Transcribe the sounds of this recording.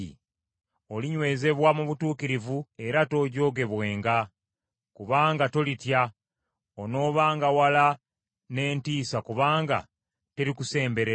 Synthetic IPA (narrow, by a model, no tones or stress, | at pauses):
ḭ | o̞liɲwe̞ːze̞βwamuβutuːkiɾivue̞ɾato̞ɟo̞ːɡe̞βwe̞ːŋɡa | kuβaːŋɡato̞litja | ono̞ːβaːŋɡawala | ne̞ːntiːsakuβaːŋɡa̰ | te̞ɾikuse̞ːmbe̞ɾe